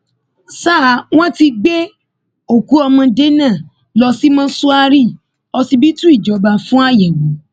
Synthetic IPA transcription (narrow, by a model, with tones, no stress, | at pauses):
saː˦˨˦w̃ɔ̃˦ti˧ɡ͡be˦ | o˨ku˨˦ɔ˧mɔ̃˧de˦nã˦˨ | lɔ˧si˦mɔ̃˦su˦a˧ɾi˦˨ | ɔ˧si˧bi˦tũ˦i˦˨d͡ʒɔ˨˦ba˧fũ˦a˦˨jɛ˨ɡũ˨˦